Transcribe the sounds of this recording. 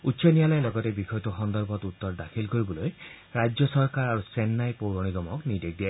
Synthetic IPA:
utːsɔnijalajlɔɡɔtebixɔjtuxɔnd̪ɔɾbɔt̪ut̪ːɔɾdakʰilkoɾibɔloj | ɾajd͡ʒjɔsɔɾkaɾaɾusenːajpowɾɔɽ̃iɡɔmɔknid̪ek̚d̪ie

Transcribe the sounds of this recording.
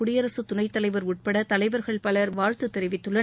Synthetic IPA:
ʊɽɪjɐɾɐsɯt̪ʊnɐɪt̪ːɐlɐɪʋɐɾʊʈ̚pɐɽɐt̪ɐlɐɪʋɐɾɣɐɭpɐlɐɾʋaːɻt̪ɯt̪ːɛɾɪʋɪt̪ːɯɭːɐ

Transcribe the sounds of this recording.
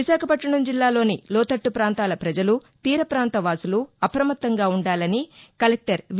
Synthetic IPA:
iʃaːkʰɐpɐʈːɐɳɐmd͡ʒilːaːlo̞ːnilɔːt̪ɐʈːupɾaːnt̪aːlɐpɾɐd͡ʒɐlu | t̪iːɾɐpɾaːnt̪ɐʋaːsuluɐpɐɾɐmɐt̪ːɐŋɡaːuɳɖaːlɐnikɐlɛk̚ʈɐɾ

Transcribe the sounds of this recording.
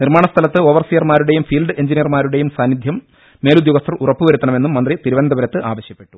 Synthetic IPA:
nirmaːɳɐst̪ʰɐlɐt̪ːɨo̞ːʋɐrsijɐrmaːɾuɽe̞jumfiːlɖɨe̞ɲd͡ʑinijɐrmaːɾuɽe̞jumsaːnːid̪ʱjɐmː | e̞ːlud̪joɣɐst̪ɐrurɐpːuʋɐɾut̪ːɐɳɐmenːumːɐnd̪rit̪iɾuʋɐnd̪ɐʋɐɾɐt̪ːɨʔaːʋɐɕjɐpːe̞ʈːu̥

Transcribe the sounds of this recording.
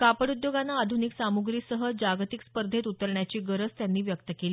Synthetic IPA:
kapəɽud̪joɡanːaːd̪ʱuniksamuɡɾiːsəɦəd͡ʑaɡt̪ikspəɾd̪ʱet̪ut̪əɾɳjat͡ɕiːɡəɾət͡st̪janːiːʋjəkt̪əkeli

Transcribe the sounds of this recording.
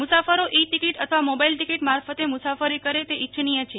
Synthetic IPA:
mʊsafəɾoʔiʈikiʈət̪ʰəʋamobailʈikiʈmaɾfət̪emʊsafəɾikəɾet̪eʔit͡ʃʰnijət͡ʃʰe

